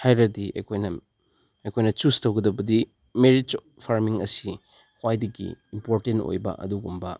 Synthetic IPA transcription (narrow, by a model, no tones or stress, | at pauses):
hajɾɐdiɐ̰jkʰojnɐ | ɐjkʰojnɐt͡ʃustowɡɐdɐbɐdi | meɾit | pʰaɾmiŋɐsi | hwajdiɡḭimpoɾtento̰jbɐ̰ʔɐ̰duɡumbɐ